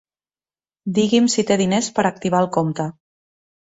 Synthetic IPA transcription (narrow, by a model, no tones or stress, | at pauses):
d̪iɣimsit̪eðinespəɾək̚t̪iβ̞aəlˠkomt̪ə